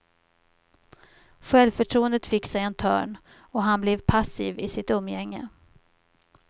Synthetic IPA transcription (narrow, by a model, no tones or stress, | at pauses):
ɧɛlvfœʈʰɾuːənd̪ət̪fɪkːsɛjɛnt̪ʰœ̰ːɳ | ɔɦanblɛvpʰasḭːvɪsɪt̪ɵmːjɛŋːə̰